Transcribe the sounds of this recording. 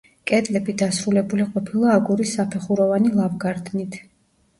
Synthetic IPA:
kʼɛd̪ʼlɛbid̪asɾulɛbuliqʼɔpʰilˠaːɡuɾisːapʰɛχuɾɔvanilˠavɡaɾd̪nit̪ʰ

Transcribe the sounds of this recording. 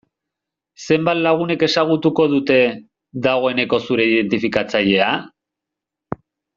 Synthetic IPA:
se̞mbat̪laɣ̞une̞ke̞saɣ̞ut̪uko̞ðut̪e̞ | ðaɣo̞e̞ne̞ko̞suɾe̞ið̞e̞nt̪ifikat͡saʎe̞a

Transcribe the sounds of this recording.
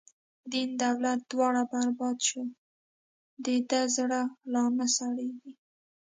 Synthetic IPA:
d̪ind̪awlat̪̚d̪wɑɽabaɾbɑd̪ʃə | d̪ed̪azɽalɑmasaɽeɡi

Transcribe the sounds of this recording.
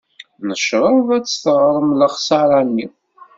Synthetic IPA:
nəʃɾˤəðæt͡sːθəʁɾˤəmləχsɑɾˤɑnːi

